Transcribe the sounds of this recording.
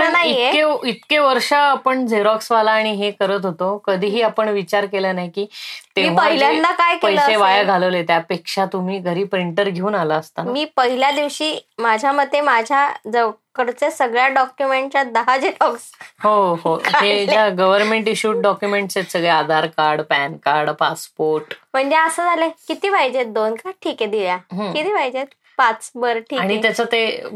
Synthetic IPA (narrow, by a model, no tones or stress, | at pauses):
pəɳnaiekeit̪keʋəɾʂaːpəɳd͡zeɾɔksʋalaːɽ̃iɦekəɾət̪ɦot̪okəd̪ʱiːɦiːapəɳʋit͡ɕaɾkelənajkiːt̪emiʋ̤əaɦilad̪akajkəjseʋajaɡʱaləʋlet̪japekʂat̪um̤iːɡʱəɾiːpɾiɳʈəɾɡʱeuːnalaːst̪amiːpəɦiljad̪iʋɕiːmad͡ʑʱjaməd̪ʱːjemad͡ʑʱjad͡zəkəɾt͡sesəɡɭjaɖɔkjumeɳʈ̚t͡ɕjad̪əɦad͡ʑeɾɔɡsɦoɦoɦed͡ʑaɡəʋəɾmeɳʈiɕuːʈ̚ɖɔkjumeɳʈsesəɡɭead̪ʱaɾkaɾɖpænkaɾɽpaspoɾʈm̤əɳd͡ʑeəsəd͡zalẽkit̪iːʋajd͡ʑet̪̚d̪onkaʈʰiːked̪iljaɦkit̪iːʋajd͡ʑet̪ | pat͡sbəɾʈʰiːaɽ̃ijat͡sət̪e